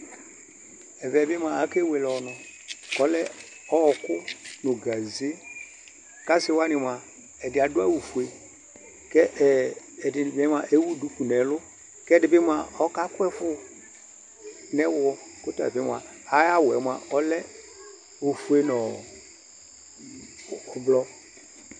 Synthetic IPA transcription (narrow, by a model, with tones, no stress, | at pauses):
ɛ˨vɛ˨bɪ˦m˦a˨a˨˦ke˦we˨lɔ˨nɔ˨kɔ˦lɛ˦ | ɔ˦˨kʊ˦nʊ˨ɡa˨ze˦ | ka˦sɪ˦wa˦nɪ˨m˨a˨ | ɛ˨dɪ˨a˨dʊ˦a˦wu˨fu˨e˨ | kɛ˦ʔ | dɪ˨bɛ˦m˦a˨ʔe˦wu˦du˨˦ku˨nɛ˨˦lʊ˦ | kɛ˦dɪ˨bɪ˦mʷ˦a˨ɔ˦ka˦kʊ˦ɛ˦fʊ˦ | nɛ˦wɔ˦ | kʊ˦tɔ˦ɛ̰˨bɪ˦m˨a̰˨ | a˨ja˦wɛ˨˦mʷ˨a˨ʔɔ˦lɛ˦ | u˨fu˦e˦nɔ˨ | ʊ˨blɔ˦